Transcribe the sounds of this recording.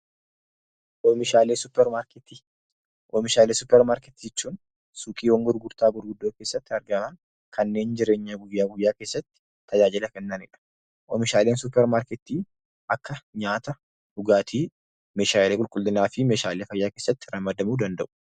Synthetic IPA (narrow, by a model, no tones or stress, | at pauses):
ʔɔmɪʃaːleːsʊpːɛɾmaɾkɛt̪iː | ʔɔːmɪʃaːleːsʊpːɛɾmaːɾkɛt̪id͡ʒɛt͡ʃːuːn | suːkʼiːwɔŋɡʊɾɡʊɾt̪aːɡʊɾɡʊd̪ːoːke̞ːsːɐt̪ːɪɐɾɡɐman | kʰɐnːe̞ːnd͡ʒɪɾe̞ːɲːaɡʊjːaːɡʊjːaːke̞ːsːɐt̪ːɪ̥ | t̪ːɐd͡ʒaːd͡ʒɪlɐkɛnːanɪ̰ᶑɐ̥ | ʔɔmɪʃaːleːnsʊpːɛɾmaːɾkɛt̪ːiː | ʔɐkːɐɲaːt̪ɐ | hʊɡaːt̪ʰiː | me̞ːʃaːleːkʼʊlkʼʊlːɪnaːfɪmeːʃaːleːfɐjːaːkeːsːɐt̪ːɪ̥ɾɐmːɐd̪ɐmuːd̪ɐnd̪ɐ̰ʔʊ̥